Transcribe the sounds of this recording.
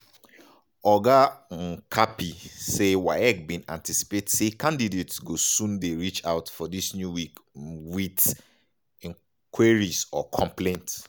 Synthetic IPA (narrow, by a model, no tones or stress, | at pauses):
ɔɡaŋ̩kʰapisewaɪɛk̚bĩnã̰ntisi̥petsekʰãndidetsɡosũndeɹit͡ʃaʊtfɔdisnjuwikwit | ĩŋ | kʰwaɹisɔkʰɔ̃mplẽnts